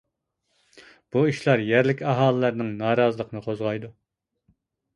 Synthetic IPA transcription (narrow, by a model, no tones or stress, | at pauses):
b̥uiʃlˠɑɾjæɾlɪkʲɑɦɑːlˠəlæɾnɨŋnɑːɾɑːzəlˠəqənɨqʰozʁɑjd̪u